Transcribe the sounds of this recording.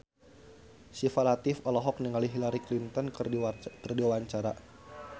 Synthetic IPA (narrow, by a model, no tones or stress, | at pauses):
sifalat̪ifɔlɔɦɔk̚niŋaliɦilaɾiklint̪ɔnkərdiwaɲt͡ʃaɾa